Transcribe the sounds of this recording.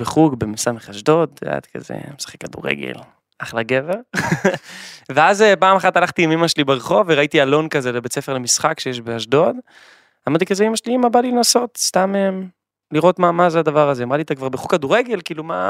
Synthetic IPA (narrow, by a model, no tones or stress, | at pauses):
beχukbemisameχaʃd̪o̞d̪a̰t̪ka̰zḛmesḁχekːadṵʁḛɡḛl | ʔaχlaɡeveʁ | veazepaːmaχat̪alaχt̪iamimaʃelibeʁeχo̞veʁait̪ialo̞nkazelebet͡sefe̞ʁlemisχakʃejeʃbeaʃd̪o̞d̪ | amaʁdt̪ikazeimaʃliimabalilenaso̞t̪st̪amem | liʁo̞t̪mamazead̪avaʁazeamʁaliet̪akvaʁbeχukːaduʁeɡe̞lkiːluma̰